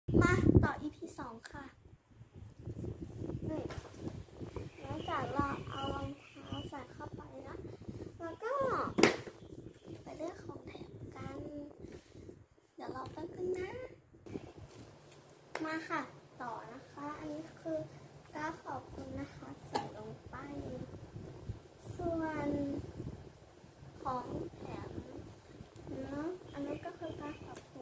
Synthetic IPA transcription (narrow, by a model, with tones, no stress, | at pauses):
maː˧t̪ɔː˨˩ʔiː˧˩t̪ʰiː˧˩sɔː˨˦ŋkʰa˧˩ | ʔɯ˧˩j | lɔ˧˥˦ŋt͡ɕaː˧˨˩lɔː˧˩ʔa˧wlo˧ŋt̪ʰaː˧˥˨wsaː˨˩nkʰa˧˩wpa˨jnɔ˧˥˦ʔlaː˧kɔː˥˩ | pa˨˩jlɯ˧˩əkʰɔː˨˩˦ŋt̪ʰɛ̰ː˨˩˦mka˧n | dɛ˨˩˦wlɔː˧˩wp̪a˧˨nkɯ˧˥˨nnːaː˧˥˨ | maː˧kʰa˧˩t̪ɔː˨˩na˧˥kʰa˧˦˥ʔa˧nːiː˦˥˧kʰɯː˧kaː˧˩kʰɔː˨˩p̚kʰu˧nːa˧˥kʰa˦˥sɔ˨˩˦jlo˧ŋpa˧j | su˧ən | kʰɔː˨˦ŋt̪ʰɛː˨˩˦m | nɔ˦˥ʔa˧nmaː˧˥nkɔː˧˥˩kʰɯː˧kaː˧kʰɔː˨˩p̚kʰu˧˦